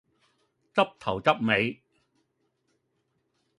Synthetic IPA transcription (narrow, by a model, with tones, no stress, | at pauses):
t͡sɐ˥p̚t̪ʰɐ˨˩wt͡sɐ˥p̚me˨˧j